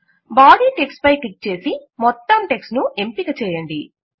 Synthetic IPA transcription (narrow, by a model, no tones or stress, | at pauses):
baːɖiːʈekspɐjkik̚t͡ʃe̞ːsimɔt̪ːɐmʈe̞ksnuʔe̞mpikɐt͡ʃɛːjɐɳɖi